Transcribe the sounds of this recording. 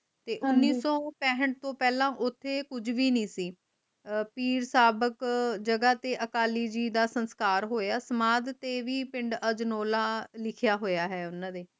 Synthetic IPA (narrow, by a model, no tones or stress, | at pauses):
t̪eːʔʊnːiːsɔːpɛːɦəɳʈ̚t̪õːpɛːlãːʔʊt̪ʰːeːkʊd͡ʒʋiːnĩːsiː | piːɾsaːbəkd͡ʒəɡaːt̪eːʔəkaːliːd͡ʒiːd̪aːsənskaːɾɦoːjaːsəmaːd̪t̪eːʋiːpɪ̃ɳɖəd͡ʒnoːlaːlɪkʰjaːɦoːjaːɦɛːʊnãːd̪eː